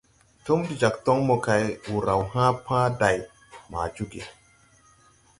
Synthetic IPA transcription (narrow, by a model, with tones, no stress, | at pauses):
to˦mdi˨d͡ʒa˨ktɔ˦ŋmo˨ka˨jwu˨ɾa˨wɦãː˦pʰã˦da˨j | ma̰ː˨d͡ʒu˦ɡḛ˨